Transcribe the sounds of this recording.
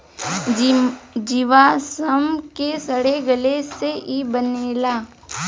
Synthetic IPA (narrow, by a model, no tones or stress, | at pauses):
d͡ʒiʋasəmkesəɽeɡəleseʔibəneːlaː